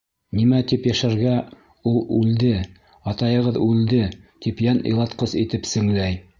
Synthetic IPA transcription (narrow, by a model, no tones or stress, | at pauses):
nimæt̪ipjæʃæɾɡæ | ulˠʉld̪ɘ | ɑt̪ɑjɤ̆ʁɤðʉld̪ɘt̪ipjænʔɤ̰̆jlˠɑt̪qɤsit̪ɘpsɘ̆ŋlæj